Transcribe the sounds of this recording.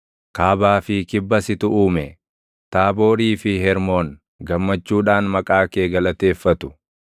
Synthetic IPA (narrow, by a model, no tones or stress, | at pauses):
kaːbaːfɪkɪbːɐsɪt̪ʊʔuːmɛ | t̪aːbo̞ːɾiːfɪɦɛɾmo̞ːn | ɡɐmːɐt͡ʃːuːᶑaːnmɐkʼaːke̞ːɡɐlɐt̪e̞ːfːɐt̪ʊ̥